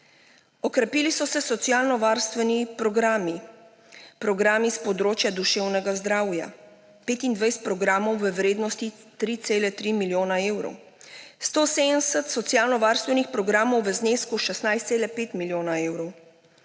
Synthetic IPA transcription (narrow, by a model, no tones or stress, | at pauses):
ɔkɾɛpiːlisɔsɛsɔt̪sjaːlnɔʋaɾst̪ʋɛnipɾɔɡɾami | pɾɔɡɾaːmispɔd̪ɾoːt͡ʃjad̪uʃeːwnɛɡazd̪ɾaːwja̰ | peːt̪ind̪ʋajst̪̚pɾɔɡɾaːmɔwʋəʋɾeːd̪nɔst̪i | t̪ɾit̪seːlɛt̪ɾimiljoːnaeːwɾɔ̰w | st̪oːsensɛt̪sɔt̪sjaːlnɔʋaɾst̪vʋɛnixpɾɔɡɾaːmɔwʋəzneskuʃɛsnajst̪seːlɛpeːt̪miljoːnaeːwɾɔw